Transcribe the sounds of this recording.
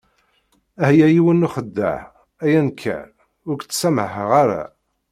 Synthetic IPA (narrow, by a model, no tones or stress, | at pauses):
æhjæjiwənːuχəd̪ːæ̰ʕ | æjænkʰːæ̰ | ʊɾɡt͡sːsæməħəʁaɾæ̰